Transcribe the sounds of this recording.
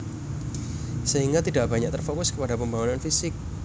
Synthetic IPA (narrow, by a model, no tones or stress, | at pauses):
səɦiŋɡat̪idaʔb̥a̤ɲak̚t̪ərfokʊskəpadapəmbaŋunanfisɪk̚